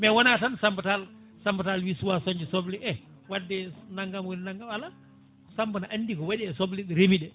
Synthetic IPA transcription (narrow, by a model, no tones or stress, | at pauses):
mɛwɔnatansambatal | sambatalwisuwasɔɲd͡ʒɛsɔbliʔɛ | wadːɛnaŋɡamwilnaŋɡamala | sambənaʔanːdikɔwaɗiɛsɔbliɗiɾemiɗɛ